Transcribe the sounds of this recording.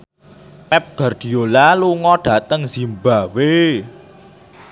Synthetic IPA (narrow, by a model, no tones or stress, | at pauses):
pɛp̚ɡ̥a̤rd̪̥i̤olaluŋɔɖ̥ä̤t̪əŋz̥i̤mbawe